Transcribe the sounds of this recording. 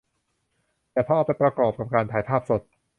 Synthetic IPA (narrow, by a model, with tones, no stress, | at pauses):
t̪ɛː˨˩pʰɔ˦˥ʔːwpa˧jpɾa˧kɔː˨˩p̚ka˨˩p̚kaː˧nt̪ʰaː˩˦jpʰaː˥˩p̚so˨˩t̪̚